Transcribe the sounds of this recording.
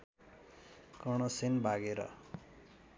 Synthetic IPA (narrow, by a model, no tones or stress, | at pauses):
kʌɽ̃ʌsenbʱaɡeɾʌ̰